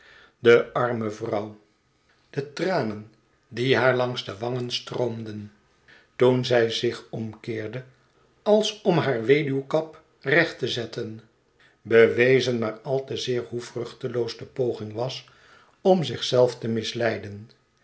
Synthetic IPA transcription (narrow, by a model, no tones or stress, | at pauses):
dəɑɹməvrʌw | d̥ətraːnən | diɦaːɹlɑŋzdəʋɑŋənstroʊmdən | tunzɛjzɪχɔmkɪːɹdə | ɑlˠsɔmɦaːɹʋejdywkɑp | rɛχtəzɛtən | bəʋejzənmaːɹɑlˠtəzɪːɹhuvrɵχtəlowzdəpowχɪŋʋɑs | ɔmzɪχsɛlˠftəmɪslɛjdən